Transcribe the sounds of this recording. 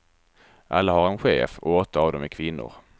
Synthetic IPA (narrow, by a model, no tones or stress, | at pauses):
ʔalːahaɾɛnɧḛːfɔ̰ɔt̪ːaːvd̪ɔmɛkʰvɪnːʊ̰ɾ